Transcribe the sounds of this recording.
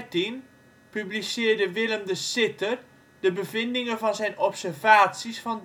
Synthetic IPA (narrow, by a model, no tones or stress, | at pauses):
tin | pyblisɪːərdəʋɪləmdəsɪtər | d̥əbəvɪndɪŋəvɔnzɛjnɔpsərvaːtsisfɔn